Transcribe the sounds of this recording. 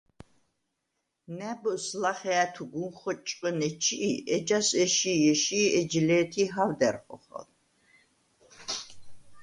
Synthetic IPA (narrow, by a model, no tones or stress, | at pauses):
næbslaχɛat̪ʰuɡunχɔt͡ʃʼqʼənɛt͡ʃʰiʔʔɛd͡ʒasɛʃijɛʃiːɛd͡ʒlɛːt̪ʰiɦawd̪ɛrχɔ̰χɔ̰l